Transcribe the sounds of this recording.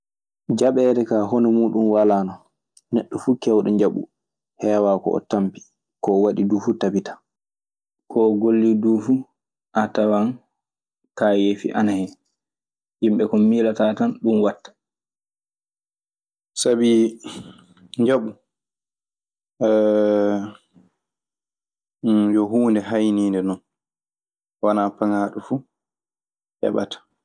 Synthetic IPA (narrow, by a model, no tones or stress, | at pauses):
d͡ʒaɓɛːɾɛkaːɦɔnɔmuːɗunwalaːna | nɛɗːɔfukɛwɗɔɲd͡ʒaɓṵ | hɛːwaːkɔ̰ɔ̰tampi̥ | kɔːwaɗiduːfutabitḁ | kʰɔɡolːiduːfu | ʔatawan | kaːjeːfḭʔanahɛ | himɓɛkɔmiːlatatanɗunwatːḁ | sabi | ɲd͡ʒaɓu | ɛ | jɔɦuːndɛɦajniːndɛnɔn | wanaːpaŋaːɗufu | ʔɛ̰ɓa̰tḁ